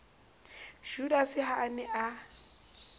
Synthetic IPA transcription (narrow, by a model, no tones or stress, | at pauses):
ʒ̥udasɪɦaːnɛʔa